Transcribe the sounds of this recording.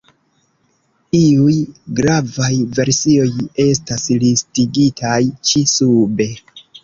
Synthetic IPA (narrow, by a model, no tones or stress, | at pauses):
iujɡɾavajve̞ɾsio̞je̞stasilistiɡitʰajt͡ʃisube̞